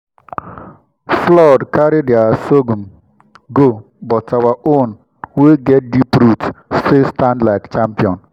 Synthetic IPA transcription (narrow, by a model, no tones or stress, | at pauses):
flɔdkaɾɪdɪasoɡum | ɡo | bɔtawaʔon | weɡɛt̚dipɾuttɪstãndlaɪkt͡ʃampiɔ̃n